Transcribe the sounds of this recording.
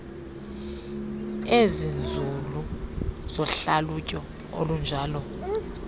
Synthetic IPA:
ezind͡zʱuluz̥ɔɬalucʼɔ | o̰lund͡ʒʱaːlɔ

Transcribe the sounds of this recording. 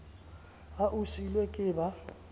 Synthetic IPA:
aʔusilwɛkʼɪːba

